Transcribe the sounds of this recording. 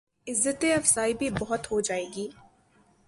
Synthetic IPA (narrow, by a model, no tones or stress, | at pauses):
ɪzːət̪eɐfsaːibʱibɐɦʊt̪ɦod͡ʒaːeːɡiː